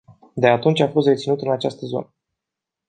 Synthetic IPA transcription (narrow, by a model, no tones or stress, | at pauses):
d̪e̞at̪unt͡ʃʲafo̞st̪ret̪sinut̪ɨnat͡ʃast̪əzo̞̰nə